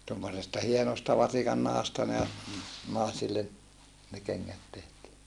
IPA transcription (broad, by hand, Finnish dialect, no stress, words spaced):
tomːosestɑ hienostɑ ʋɑsikɑnːɑhɑstɑ ne nɑˑesilːen ne kenːæt tehtiː